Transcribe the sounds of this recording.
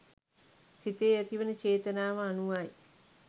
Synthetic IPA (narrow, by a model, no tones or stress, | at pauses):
sit̪eːæt̪iʋənət͡ʃeːt̪ənaːʋəanuʋaj